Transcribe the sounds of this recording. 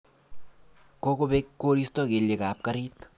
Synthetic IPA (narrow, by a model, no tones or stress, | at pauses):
kokobekːoːɾist̪ɔɡeljekaːp̚kɐɾiːt̪